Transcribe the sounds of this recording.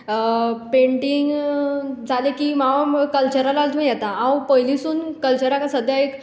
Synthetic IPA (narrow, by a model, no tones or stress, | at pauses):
peɳʈiŋɡ | d͡zʱalekiːmaʋakəlt͡ɕəɾalalt̪ũnjɛt̪aãwpəɦjlisuːnkəlt͡ɕəɾakasəd̪ʱjaek